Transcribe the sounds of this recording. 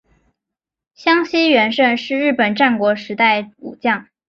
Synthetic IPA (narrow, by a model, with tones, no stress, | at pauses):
ɕjɑ˥ŋɕi˥ɥɛ˧˥nʂə˥˧nʂɻ̩˥˧ɻɻ̩˥˩pə˨˩nʈ͡ʂa˥˩nkwɔ˧˥ʂɻ̩˧˥t̪a˥˩ɪṵ˨˩t͡ɕjɑ˥˩ŋ